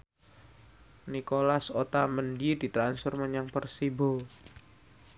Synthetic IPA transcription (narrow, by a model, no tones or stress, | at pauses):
nikolasot̪aməndidit̪ɾansfərməɲaŋpərsibo